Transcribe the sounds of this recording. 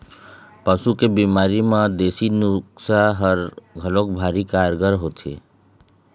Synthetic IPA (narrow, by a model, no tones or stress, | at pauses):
paʃukebiːmaːɾimãd̪eːsinʊksaɦəɾɡʱəloːk̚bʱaːɾikaːɾɡəɾɦoːt̪ʰḛː